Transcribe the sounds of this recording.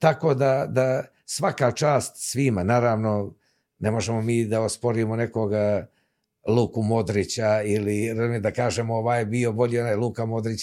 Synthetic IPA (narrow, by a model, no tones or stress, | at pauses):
t̪ako̞ːd̪ad̪a | sʋakat͡ʃaːst̪sʋimanaːɾaːʋno̞ | nemo̞ʒemo̞miːd̪aospo̞ɾimone̞koɡ | luːkumo̞d̪ɾit͡ɕailiɾezumed̪akaːʒemooʋaːjbio̞bo̞ʎionaːjlˠuːkamo̞d̪ɾit͡ɕ